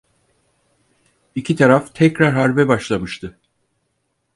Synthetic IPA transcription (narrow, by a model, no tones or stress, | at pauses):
icʰit̪ʰaɾaft̪ʰɛcɾaɾɦaɾbɛbaʃlˠamɯʃt̪ʰɯ